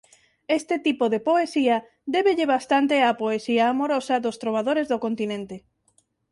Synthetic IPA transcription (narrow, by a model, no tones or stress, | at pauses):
est̪et̪ipoðepoesiɐ | d̪eβeʎeβast̪ant̪eapoesiaːmoɾosɐðost̪ɾoβ̞að̞oɾezðokont̪inẽnt̪e